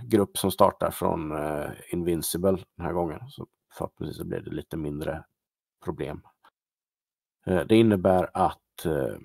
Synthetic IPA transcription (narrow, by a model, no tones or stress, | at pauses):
ɡɾɵpːsɔmst̪ɑːʈaɾfɾɔ̰nɪnvɪnsɪbəld̪̥ɛnɦæːɾɡɔŋːənsɔ | fœ̰ʈ̚ʰnsḭːsɔblɪ̰ɖɛliːt̪əmɪnd̪ɾə | pʰɾʊblḛːm | d̪ɛɪnːəbæːɾat̪